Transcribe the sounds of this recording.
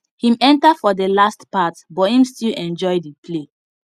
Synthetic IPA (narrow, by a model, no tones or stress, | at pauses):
hĩmɛ̃ntafɔdəlastpatbɔthĩmstilɛ̃nd͡ʒɔɪdipʰle